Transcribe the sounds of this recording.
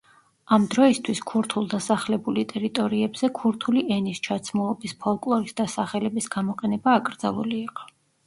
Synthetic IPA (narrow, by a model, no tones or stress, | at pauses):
amd̪ɾɔist̪ʰwiskʰuɾt̪ʰulˠd̪asaχlɛbulit̪ʼɛɾit̪ʼɔɾiɛbz̥ɛkʰuɾt̪ʰuliɛnist͡ʃʰat̪sʰmulˠɔbispʰɔlˠkʼlˠɔɾisd̪asaχɛlɛbisɡamɔqʼɛnɛbaːkʼɾd̪za̰lˠṵliːqʼɔ̥